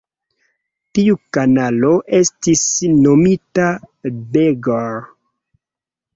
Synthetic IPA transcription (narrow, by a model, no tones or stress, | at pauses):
tiukanalo̞ʔe̞stisnomitabeɡoɾ